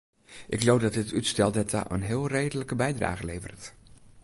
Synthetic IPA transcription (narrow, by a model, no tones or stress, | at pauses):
ʔɪkloːdɔt̚dɪtʰytstɛlˠdɛtʰa̰ʔə̰nɦɪəlˠrejdələkəbɛjdra̰ːɣəlejvə̰rt